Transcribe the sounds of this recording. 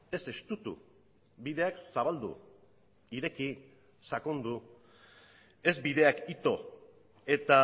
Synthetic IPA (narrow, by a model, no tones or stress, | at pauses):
e̞se̞st̪ut̪ṵ | biðe̞aksaβ̞ald̪ṵ | iɾe̞ki | sako̞nd̪u | e̞zbiðe̞akit̪o̞ | e̞t̪a